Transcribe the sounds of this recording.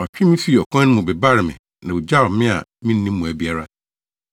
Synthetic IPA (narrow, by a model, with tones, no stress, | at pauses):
ɔ˨t͡ɕᶣɪ̃˦mɪ̃˦fi˦˨ɔ˨kʰɔ̃˦ñ˦mũ˨bɛ˨ba˦ɾɪ˨mɪ̰̃˨ | nã˨wu˨d͡ʑa˦˨˦mɪ̃˦a̰˨mɪ̃˦nːĩ˦mː˦ũ˨æ˨bi˨a˦ɾa˦